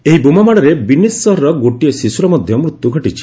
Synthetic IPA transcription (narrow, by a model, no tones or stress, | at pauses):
eɦibumamaɽ̃ɔɾebinisːɔɦɔɾɔɡoʈiesisuɾɔmɔd̪ʱjɔmɾut̪ːuɡʱɔʈit͡ʃʰi̥